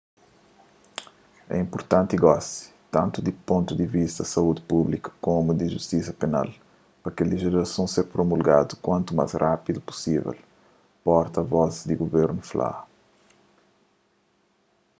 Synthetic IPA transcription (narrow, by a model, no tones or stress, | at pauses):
ɛ̰ĩmpuɾt̪ɐ̃nt̪iɡɔsi̥t̪ɐ̃nt̪ud̪ipõnt̪ud̪ivist̪ɐsɐud̪ɪpublikɐ̥komud̪iʒust̪isɐpena̰l | pɐkaliʒiɾɐsɐ̃w̃seɾpɾomulɡa̰d̪ukwɐ̃nt̪uma̰zrapid̪upu̥sivɛ̰l | pɔɾt̪ɐvɔzd̪iɡuveɾnufla̰